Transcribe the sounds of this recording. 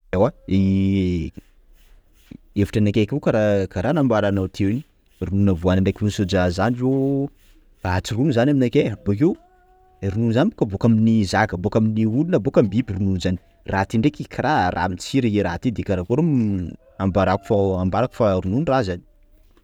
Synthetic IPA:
awai | evi̥ʈ͡ʂanakʲekuwkaɾakaɾanambaɾanawt̪ʰewini̥ | rununəvuanaɳɖ͡ʐekunsod͡ʒazanilo | aɦat͡sirunizanaminakʲeabok̬ew | ɾununzanibokabokaminizaɡəbokaminiulunabokambibirununzani̥ | rat̪iɳɖ͡ʐekikʰaɾarʔa̰mit͡siɾieɾat̪id̪ekaɾakoɾom | ambaɾaku̥faambaɾaku̥faɾununrazani̥

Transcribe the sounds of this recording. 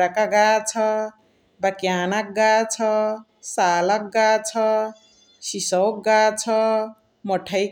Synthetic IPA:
ɾakaɡat͡sʰʌ | bakjanak̚ɡat͡sʰʌ | saːlak̚ɡat͡sʰʌ | sisʌwkɡat͡sʰʌ | mʌʈʰaj

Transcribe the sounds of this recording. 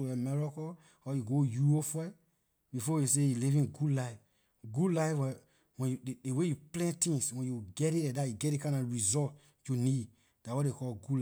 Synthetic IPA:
wɛmɛɹɔkɔ | ɔjuɡojuofɛ | bifɔjisejilivĩnɡudlaɪf | ɡudlajfwɛ | wɛ̃njudewejuplɛ̃ntĩŋswɛ̃njuɡɛtiɛdajuɡɛt̚dekãɪ̃ndɔɹizɔt | junid | d̥awɔtdekɔlɡul

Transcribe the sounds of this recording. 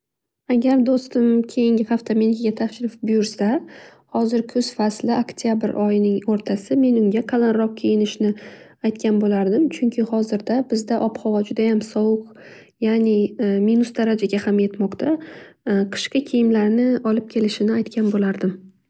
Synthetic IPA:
aɡʲaɾd̪ost̪ɪmkʲʰe̞jɪŋʲɪhaft̪ʰame̞nkʰʲɪɡʲat̪ʰaʃɾɪfbʊjʊɾsahɒzɪɾkʰɵz̥faslɪʔakt̪ʰjabɪɾʔɒjɪnɪŋoɾt̪ʰasɪme̞nʊŋɡʲaqʰalˠanɾɒq̚kʲʰejɪnɪʃɪnɪ | ajt̪̚kʲanbolaɾd̪ɪmt͡ʃʰʊŋkʲʰɪhɒzɪɾd̪abɪzd̪aʔɒpχɒvɒd͡ʒʊd̪ajamsɒwʊq | janɪminʊsd̪aɾad͡ʒaɡʲahamje̞t̪mɒqt̪ʰa | qʰɨ̥ʃqɑkʲʰejɪmlaɾnɪɒlɪp̚kʲʰe̞lɪʃɪnɪajt̪kʲʰanbolaɾd̪ɪm

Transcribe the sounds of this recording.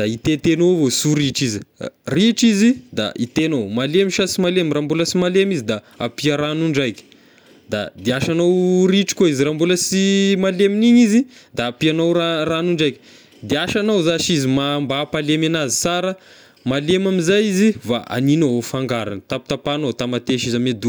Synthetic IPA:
d̪̥ait̪et̪enowvosuɾiʈ͡ʂiziriʈ͡ʂizid̪a̰ʔit̪enowmalemiʃasimalemrambuləsimalemizid̪a | apiəɾanuɳɖ͡ʐajkʲə̥ | d̪a̰d̪iaʃanowriʈ͡ʂi̥kʲoizirambuləsimaleminiɲizid̪aːpianowaranuɳɖ͡ʐajkə̥ | d̪eaʃanawzaʃizimambapalemanazi̥saɾə | malemamizajiziva̰ʔa̰ninaɦofaŋɡaɾa̰nət̪api̥t̪apanot̪amat̪eʃizamed̪u

